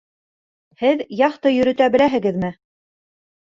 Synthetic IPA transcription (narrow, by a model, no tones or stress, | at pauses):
hɘðjɑχt̪ɤjɵ̆ɾɵ̆t̪æbɘ̆læɦɘ̆ɡɘðmɘ